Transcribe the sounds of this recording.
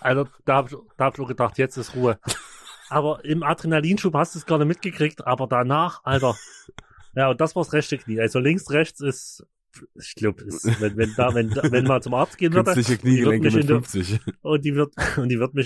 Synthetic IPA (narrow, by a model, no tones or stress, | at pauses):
ʔaltɐd̥aːhaːbɪçd̥aːhaːbɪçoːɐɡədaχtjɛt͡stɪstʁuːə | ʔaːbɐʔɪmadʁinaliːnʃuːphastd̥usɡ̥aɐdəmɪt̚ɡ̥əkʁ̥iktʔaːbɐdanaːχʔaltɐ | jaːʊntd̥asv̥aːɐsʁɛçtəkniːʔalzolɪŋsʁɛçt͡sɪs | ɪkl̥aʊpɪsvɛnvɛndaːvɛnavɛnmant͡sʊmʔaɐt͡st̚ɡ̥eːənvɪɐdəɪçəkniːvɪɛŋmɪɪnft͡sɪʔʊnt̚d̥iːvɪɐtʊntd̥iːvɪɐtmɪç